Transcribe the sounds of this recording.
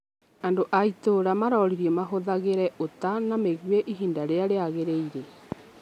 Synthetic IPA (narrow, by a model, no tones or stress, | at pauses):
andoʔaitoɾamaɾɔɾiɾiɛmaɦoðaɣeɾɛʔotanameɣweʔiɦiːndaɾeaɾeaɣeɾeiɾe